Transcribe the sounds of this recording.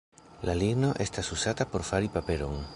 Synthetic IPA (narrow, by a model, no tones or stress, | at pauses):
laliɡno̞ʔe̞st̪asusatapo̞ɾfaɾipape̞lo̞̰ŋ